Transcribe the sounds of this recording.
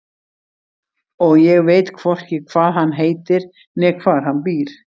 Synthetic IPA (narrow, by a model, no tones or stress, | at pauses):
ɔɣjɛɣveːjt̪kʰvɔr̥cɪkʰvaːðɦanːɦeːjt̪ɪɾ | nɛɣkʰvaːðɦanːpiːɾ̥